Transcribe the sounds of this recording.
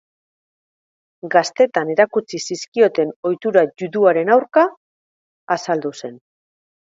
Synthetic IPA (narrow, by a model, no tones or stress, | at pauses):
ɡast̪e̞t̪ane̞ɾakut͡sisiskio̞t̪e̞no̞jt̪uɾaʝuðuaɾe̞nawɾkaː | sald̪use̞n